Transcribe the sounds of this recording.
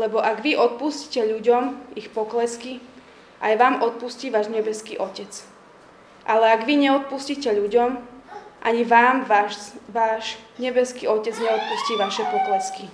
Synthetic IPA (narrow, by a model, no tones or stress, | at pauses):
lɛbɔʔaɡʋiʔɔt̪̚pusci̥cɛʎuɟɔmixpɔklɛski | ʔajʋaːmʔɔt̪̚pusciːʋaːʒɲɛbɛskḭːʔɔcɛt͡s | ʔalɛaɡʋiɲɛɔt̪̚puscicɛʎuɟɔmʔa̰ɲiʋaːm | ʋaːʃɲɛbɛskiːɔcɛd͡zɲɛɔt̪̚pusciːʋaʃɛpɔklɛski